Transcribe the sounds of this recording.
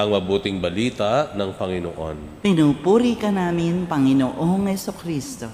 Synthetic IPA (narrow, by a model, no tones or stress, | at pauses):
ʔɐŋmɐbuːt̪ɪŋbɐliːt̪ɐʔnɐŋpɐŋɪno̰ʔo̰n | pɪnuːpuːɾikɐnaːmɪnpɐŋɪnoʔoŋhɛsukɾist̪o